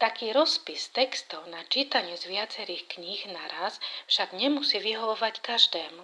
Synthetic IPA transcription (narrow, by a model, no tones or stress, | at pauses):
t̪akiːɾɔspist̪ɛkst̪ɔʊnat͡ʃiːt̪aɲɪuzʋɪat͡sɛɾiːxkɲiɣnaɾasfʃaɡɲɛmusiʋiɦɔʋɔʋackaʒd̪ɛːmu